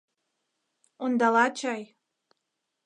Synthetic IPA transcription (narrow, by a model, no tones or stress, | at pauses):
ond̪ɑlɑt͡ɕɑj